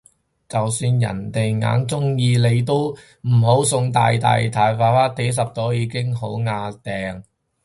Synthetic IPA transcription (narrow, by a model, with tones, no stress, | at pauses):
t͡sɐ˨wsyː˧njɐ̰˨˩nt̪e˨jŋa̰ː˨˥nt͡sʊ˥ŋjiː˧le˨˧jt̪o˥w | m̩˨˩ɦo˨˥wsʊ˧ŋt̪a̰ː˨jt̪a̰ː˨jt̪ʰaː˨˧jfaː˨˧faː˥t̪ʰːe˨˥js̬ɐ˨p̚t̪ɔː˨˥jiː˨˥kɪ˥ŋɦo˨˥wŋaː˧t̪ɛː˨ŋ